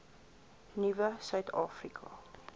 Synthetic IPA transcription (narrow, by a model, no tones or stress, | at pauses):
nivəsœɥtʰɑːfrikʰɑ